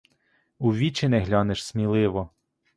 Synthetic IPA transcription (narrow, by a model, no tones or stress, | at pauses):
uʋʲit͡ʃɪnɛɦlʲɔneʃsmʲilˠɪʋɔ